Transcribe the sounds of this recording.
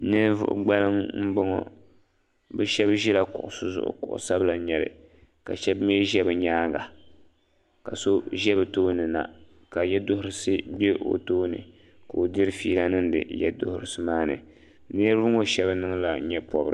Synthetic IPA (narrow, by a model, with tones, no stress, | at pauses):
nɨ˦vʊ̰˦ʔʊ̰˦ɡ͡ba˦lɨ˦mm̩˦bʊ˦ŋɔ̰˦ | bɛ˦ʃɛ˦bʒɛ˦la˦kʊ̰˨ʔʊ̰˨sʊ˦zʊ̰˨ʔʊ̰˨kʊ̰˨ʔʊ̰˨sa˦bla˨ɲɛ˨lɨ̰˨ | ka̰˨ʃɛ˦bmi˦ʒɛ˦bɨ˨ɲaː˦ɡa˨ | ka̰˨so˦ʒɛ˦bɨ˨toː˦nɨ˨na̰˨ | ka˨jɛ˦dʊ˦hʊ˦ɾɨ˦sɨ˦bɛ˦o̰˨toː˦nɨ̰˨ | ka˨o˨dɨ˦ɾfiː˦la˦nɨ˦ndɨ̰˨jɛ̰˦dʊ˦hʊ˦ɾɨ˨sɨ˦maː˦nɨ̰˨ | nɨ˦ɾvʊ˦ŋo˦ʃɛ˦bnɨ˦ŋla˨˦ɲɛ˦pɔ˨bɾɨ̰˦˨